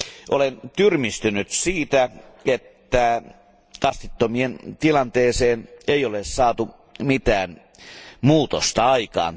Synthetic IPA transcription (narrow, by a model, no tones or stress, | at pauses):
ʔolent̪yrmist̪ynyt̪siːt̪æet̪ːæ | kɑst̪it̪ːomient̪ilɑnt̪eːseːneijolessɑːt̪u | mit̪æːn | muːt̪ost̪ɑɑikɑ̰ːn